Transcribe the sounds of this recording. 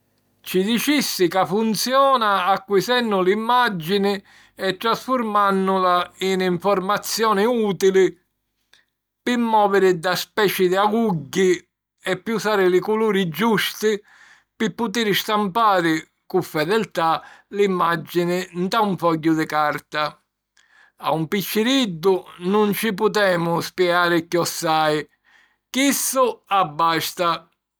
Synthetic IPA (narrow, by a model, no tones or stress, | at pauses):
t͡ʃid̪it͡ʃisːɪkafːunt̪sjɔːnaːkːwisɛnːʊlimːad͡ʒːinɪ | ɛt̪ːɾasfʊɾmanːʊlainiɱfɔɾmat̪sːjɔːnɪuːt̪ilɪ | pɪmːɔːvɪɾɪd̪aspɛːt͡ʃɪd̪ɪaɡuɟːi | ɛpːiusaːɾɪlɪkuluːɾɪd͡ʒust̪ɪ | pɪpːʊt̪̬iɾɪst̪ampaːɾɪ | kʊfːɛðɛlt̪alimːad͡ʒːɪnɪnt̪auɱfɔɟːʊd̪ɪkaɾt̪a | a̰umpit͡ʃːɪɾid̪ːʊnʊnt͡ʃɪp̬ʊt̪̬ɛːmʊspjɛaːɾɪkjɔsːaːɪ | kisːʊabːast̪a